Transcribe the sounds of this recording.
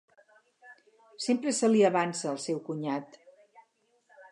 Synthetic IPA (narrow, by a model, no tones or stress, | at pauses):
sempɾəsəliəβansəːlˠsɛwkuɲat̪